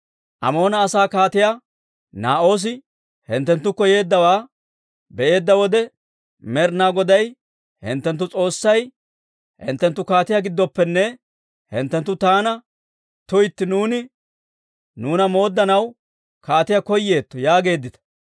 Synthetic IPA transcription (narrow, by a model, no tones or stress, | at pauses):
ʔɐ̰mo̞ːnɐːsaːkaːt̪ɪja | naːʔo̞ːs̬ɪ | hɪnt̪ːɛnt̪ːʊkɔje̞ːd̪ːɐwaː | bɛʔe̞ːd̪ːɐwɔd̪ɛ | mɛɾnaːɡɔd̪ɐj | hɪ̰nt̪ːɛnt̪̬ːʊt͡sʼo̞ːsːɐj | hɪ̰nt̪ːɛnt̪ːʊkaːt̪ɪjaɡɪd̪ːɔpːɛnːɛ | hɪ̰nt̪ːɛnt̪ːʊt̪aːnɐ | t̪ʊjt̪ːɪnuːnɪ | nuːnɐmo̞ːd̪ːɐnɐw | kaːt̪ɪjakɔjːe̞ːt̪ːɔjaːɡe̞ːd̪ːɪt̪ɐ̥